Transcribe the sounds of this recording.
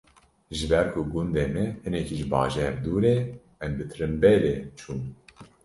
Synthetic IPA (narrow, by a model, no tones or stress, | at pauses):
ʒɨbɛɾkʰuɡund̪eːmɛhɨnɛkiʒɨbɑ̰ːʒɛɾd̪uːɾeː | ɛmbɨt̪ʰɾɨmbɛleːt͡ʃʰuːm